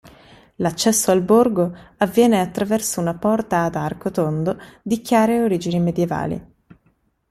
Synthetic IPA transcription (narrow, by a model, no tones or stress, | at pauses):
lat͡ʃːɛsːoalborɡoavːjɛːneat̪ːɾavɛrsounapɔrt̪aːd̪arkot̪ond̪od̪ikjaːɾeoɾiːd͡ʒinimed̪jeva̰ːlḭ